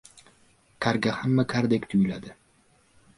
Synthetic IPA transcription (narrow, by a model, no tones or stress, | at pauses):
kʲʰaɾɡʲahamːakʰaɾd̪ekʲt̪ʰʊjlad̪ɪ